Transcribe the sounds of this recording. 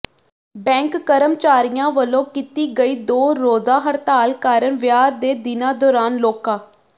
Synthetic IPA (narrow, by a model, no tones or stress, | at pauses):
bɛ̃ːŋkːəɾəmt͡ʃaːɾijãːʋəlːõːkit̪iːɡəiːd̪oːɾoːzaːɦəɾt̪aːlkaːɾəɳʋjaːɾd̪eːd̪ɪnãːd̪ɔːɾaːnloːkãː